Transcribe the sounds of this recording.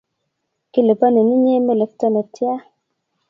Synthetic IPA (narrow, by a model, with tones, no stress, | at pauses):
ki˦le˨ba˦ne˨ni˦ɲe˦me˦˨le˨k̚tɔ˦nɔ˨tja˦